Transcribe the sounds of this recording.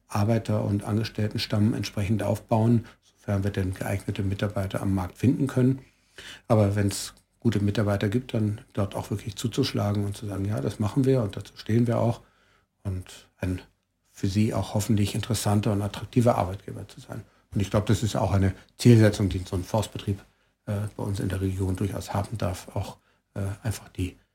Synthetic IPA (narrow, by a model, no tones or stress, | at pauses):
ʔaɐbaɪtʰɐʊ̰ntʔa̰nɡəʃtɛltn̩ʃtammɛ̰ntʃpʁ̥ɛçn̩tʔa̰ʊfb̥aʊənz̥ofɛɐnviːɐdɛnɡəʔa̰ɪɡnətʰəmɪtaɐbaɪtɐ̰a̰mːaɐk̚tfɪndn̩kʰœnən | ʔaːbɐvɛns | ɡ̥uːtəmɪtaɐbaɪtɐɡiːp̚t̚d̥and̥ɔɐtaʊfv̥ɪɐkʰlɪçt͡suːt͡suʃlaːɡŋ̩ʊntt͡suzaːɡŋ̩jaːdasmaχn̩viːɐʊnt̚d̥at͡suːʃteːənviːɐʔa̰ʊx | ʔʊntʔaɪn | fyːɐziːʔa̰ʊxhɔfn̩tlɪçɪntəʁəsantɐʊntatʁ̥ak̚tʰiːvɐʔa̰ɐbaɪt̚ɡ̥ḛːbɐt͡suza̰ɪn | ʊntɪçɡ̥laʊbədasɪsta̰ʊxʔaɪnət͡siːlzɛt͡sʊŋd̥iːzoːnnfɔɐst̚b̥ətʁ̥iːp | ʔɛːb̥aɪʔʊnsɪ̰ndeːɐʁ̞eɡjoːndʊɐça̰ʊshaːbm̩daɐfaʊx | ʔɛːʔaɪnfḁχd̥iː